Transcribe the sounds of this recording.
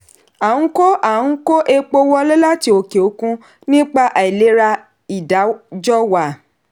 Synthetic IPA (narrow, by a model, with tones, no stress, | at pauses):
ã˨˦ko˦ʔã˦˨˦ko˦ʔe˦k͡po˧wɔ˦lo˦la˦ti˧˦o˧ke˨o˨˦kũ˧ | nĩ˦k͡pa˦ʔa˨i˨le˨˦ɾa˧ | i˨da˨˦d͡ʒɔ˦wa˨